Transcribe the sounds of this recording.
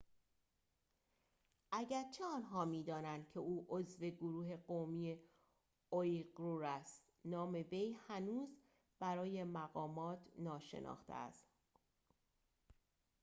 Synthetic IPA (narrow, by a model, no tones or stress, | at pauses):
ʔæɟæɾt͡ʃʰeɒːnɦɒːmiːd̪ɒːnænd̪̥̚cʰe̞uːʔozve̞ɡoɾuːɦe̞ɢomiːje | ojɡɾuɾæst̪ | nɒːme̞ve̞jhænuːz | b̥æɾɒːje̞mæɣɒːmɒːt̪ʰnɒːʃḛnʔɒ̰ːxt̪ʰḛæ̰st̪